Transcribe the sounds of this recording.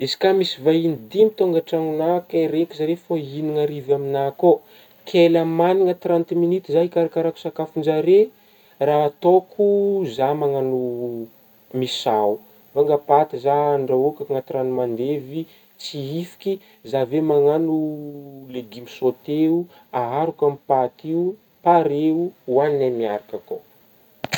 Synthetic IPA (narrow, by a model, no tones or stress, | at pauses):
ezi̥kamisivainid̪imit̪oŋɡaʈ͡ʂaŋunakeɾekizaɾefainiŋaɾivaminako | kʰelamaniŋət̪ɾant̪iminit̪izaɦikaɾakaɾaku̥sakafund͡ʒaɾe | raːt̪okʰuzamaŋanu | misau | vaŋɡapat̪izaːɳɖ͡ʐaokʲaŋat̪ɾanumand̪evi | t͡siifi̥kʲi | zavemaŋanuleɡimisot̪eu | aɦaɾukamipat̪iu | paɾeuwaninamiaɾakako